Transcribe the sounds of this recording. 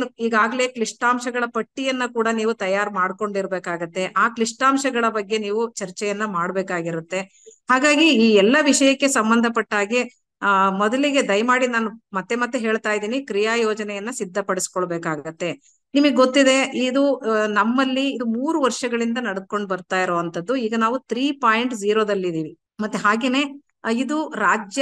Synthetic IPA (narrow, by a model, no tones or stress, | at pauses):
uiːɡaːɡɐle̞kliʂʈaːmʃɐɡɐɭɐpɐʈːijɐnːɐkuːɽɐniːʋut̪ɐjaːɾmaːɽko̞ɳɖiɾbeːkaːɡut̪ːe̞ʔaːkliʂʈaːmʃɐɡɐɭɐbɐɡːe̞niːʋut͡ʃɐɾt͡ʃɛjɐnːɐmaːɽbeːkaːɡiɾut̪ːe̞ | haːɡaːɡiiːɛlːɐʋiʂɐjɐkːe̞sɐmbɐnd̪ʱɐpɐʈːaːɡi | mɔd̪ɐliɡe̞d̪ɐjmaːɽinaːnumɐt̪ːe̞mɐt̪ːeɦeːɭt̪aːjid̪iːnikɾijaːjoːd͡ʒɐnɛjɐnːɐsid̪ʱːɐpɐɽisi̥kɔɭbeːkaːɡut̪ːe̞ | nimɐɡeɡot̪ːid̪e̞id̪unɐmːɐlːiːd̪umuːɾuʋɐɾʂɐɡɐɭind̪ɐnɐɽ̚ko̞ɳɖbɐɾt̪aːjiɾoːʋɐnt̪ʰɐd̪ːuiːɡɐnaːʋut̪ɾiːpaːjɳʈd͡ʒiːɾoːd̪ɐlːid̪iːʋi | mɐt̪ːeɦaːɡeːneː | id̪uɾaːd͡ʒjɐ